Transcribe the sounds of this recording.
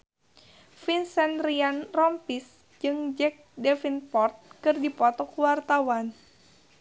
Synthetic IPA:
finsɛnrianrɔmpis | d͡ʒɨŋd͡ʒɛk̚dɛfinpɔrt̪̚kɨrdipɔt̪ɔkuwart̪awan

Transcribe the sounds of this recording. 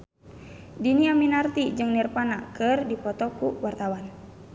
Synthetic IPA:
diniaminart̪id͡ʒɨŋnirpanakɨrdipɔt̪ɔkuwart̪awan

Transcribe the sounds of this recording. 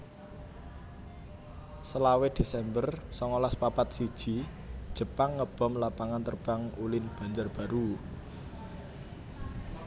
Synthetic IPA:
səlawed̪̥e̤sɛmbərsɔŋolaspapat̪̚sid̥ʒ̥i̤ | d̥ʒ̥ə̤paŋːəb̥ɔ̤mlapaŋant̪ərb̥a̤ŋulɪnb̥a̤ɲd͡ʒarb̥a̤ɾu

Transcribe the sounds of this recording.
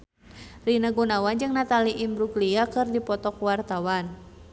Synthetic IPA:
rinaɡunawand͡ʒɨŋnat̪aliʔimbɾuɡliakɨrdipɔt̪ɔkwart̪awan

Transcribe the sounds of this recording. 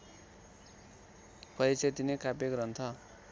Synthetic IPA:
kʌet͡set̪inekapekɾʌnt̪ʰʌ

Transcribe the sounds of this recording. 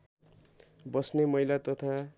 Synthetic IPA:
bʌsnemʌjlat̪ʌt̪ʰa

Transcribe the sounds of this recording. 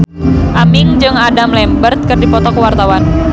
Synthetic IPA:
ʔamɪŋd͡ʒɨŋadamlɛmbərt̪̚kɨrdipɔt̪ɔkəwart̪awan

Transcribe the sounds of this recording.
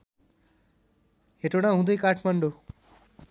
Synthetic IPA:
ɦeʈoɽ̃aɦũd̪ʌjkaʈʰmaɳɖo

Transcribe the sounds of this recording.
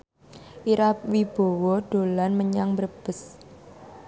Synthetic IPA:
ʔiɾap̚wib̥o̤wɔɖ̥o̤lanməɲaŋbərb̥əs

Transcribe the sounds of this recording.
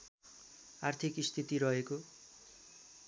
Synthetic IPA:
art̪ʰikist̪ʰit̪iɾʌɦeko

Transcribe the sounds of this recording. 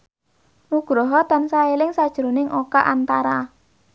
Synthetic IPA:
ʔuɡ̥ɾɔɦɔt̪ansaelɪŋsad̥ʒ̥ɾonɪŋʔokaʔant̪aɾa

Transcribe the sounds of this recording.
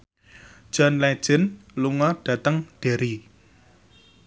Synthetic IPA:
d̥ʒ̥ɔ̤nlɛd̥ʒ̥ɪ̤nluŋɔɖ̥ä̤t̪əŋd̥e̤ɾi

